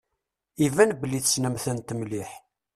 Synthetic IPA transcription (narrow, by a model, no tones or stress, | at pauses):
ivænbəlːiθə̥snəmθənt̪əmliħ